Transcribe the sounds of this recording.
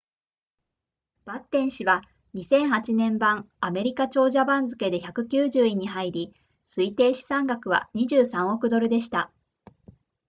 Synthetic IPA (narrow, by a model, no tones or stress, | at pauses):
b̥at̪ːẽ̞ɰ̃ɕiβa | ɲ̟isẽ̞ɰ̃hat͡ɕinẽ̞mbãŋ | ame̞ɾʲikat͡ɕo̞ːʑabãnd͡zɨke̞d̪e̞çakɯ̟kʲɨːʑɨːiɲ̟iɦaiɾʲi | sɨit̪e̞ːɕi̥sãŋɡakɯ̟β̞a̰ɲ̟iʑɨːsãɰ̃o̞kɯ̟d̪o̞ɾɯ̟d̪e̞ɕi̥t̪a